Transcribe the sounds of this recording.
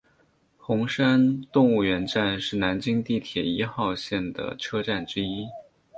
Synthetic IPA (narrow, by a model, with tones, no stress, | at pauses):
xʊ˧˥ŋʂa˥nt̪ʊ˥˧ŋu˥˩ɥɛ˧˥nʈ͡ʂa˥˧nʂɻ̩˥˩na˧˥nt͡ɕi˥ŋt̪i˥˩t̪ʰjɛ˨˩i˧˥xɑ˥˧ʊɕjɛ˥˩nd̪ə̰˩ʈ͡ʂʰɤ˥ʈ͡ʂa˥˩nʈ͡ʂɻ̩˥i˥